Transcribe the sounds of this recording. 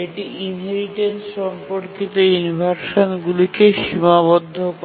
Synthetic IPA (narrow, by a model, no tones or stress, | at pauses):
eʈiinɦeɾiʈensʃɔmpoɾkit̪ounibʱaɾʃonɡulikeʃimaβod̪ʱːok